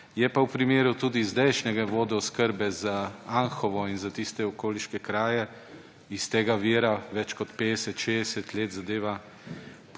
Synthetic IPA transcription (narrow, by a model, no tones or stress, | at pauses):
jɛpawpɾimeːɾut̪uːd̪izd̪ɛjʃnɛɡaʋoːd̪ɔɔskəɾbɛzaanxɔʋɔinzat̪ist̪ɛɔkoːliʃkɛkɾaːjɛ | ist̪eːɡaʋiːɾaʋɛt͡ʃkɔt̪peːd̪ɛsɛt̪ʃeːd̪ɛsɛt̪leːd̪zad̪eːʋa | p